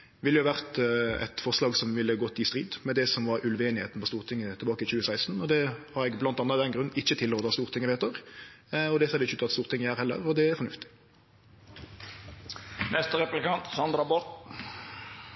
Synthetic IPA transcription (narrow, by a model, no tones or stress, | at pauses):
ʋɪlːəʊʋæʁt̪ɛ̰t̪fɔʁʂlɑːɡsɔmʋɪlːəɡɔt̪ːɪst̪ʁiːd̪mɛd̪ɛsɔmʋɑɾʉlʋeːnɪheːt̪n̩pɔst̪uːʁt̪ʰɪŋːət̪ʰɪlbɑːkəɪçʉːəsæɪst̪n̩ɔd̪ɛhɑɾɛɡblɑnt̪ɑnːɑd̪ɛnɡɾʁʉnɪçːət̪ʰɪlːoːt̪ɑːst̪uːʁt̪ɪŋːəʋeːt̪ɔʁ | ɔd̪ɛseːd̪ɪɪçəʉːt̪ɑt̪st̪uːʁt̪ɪŋːəæːʁhɛlːə̰ʁɔd̪ɛæɾfɔnʉft̪ɪ̥ | nɛst̪əɾɛplɪkɑnt̪sɑnd̪ɾɑbɔt̪